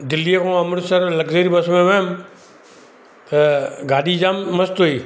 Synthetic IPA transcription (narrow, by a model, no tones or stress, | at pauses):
d̪ɪlːiəkʰõːɐmʊɽsɐɾlɐɡzeːɾibɐsmẽʋeːm | t̪ɐɡaːɗid͡ʑaːmːɐst̪oiː